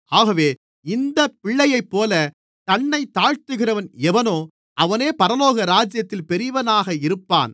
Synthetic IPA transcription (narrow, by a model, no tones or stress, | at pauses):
aːɣɐʋeː | ɪnd̪ɐpɪɭːɐjɐɪpːoːlɐ | t̪ɐɳːɐɪt̪ːaːɻt̪ɯɣɪɾɐʋɐnɛʋɐnoː | ʔɐʋɐneːpɐɾɐloːɣɐɾaːd͡ʒjɐt̪ːɪlpɛɾɪʋɐnaːɣɐɪɾɯpːa̰ːn